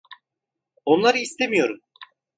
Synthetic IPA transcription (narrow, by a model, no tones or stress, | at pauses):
o̞nlˠaɾɯist̪ʰemijo̞ɾum